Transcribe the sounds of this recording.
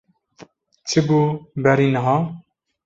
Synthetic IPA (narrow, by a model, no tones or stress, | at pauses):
t͡ʃʰɨbubɛɾinɐɦɑː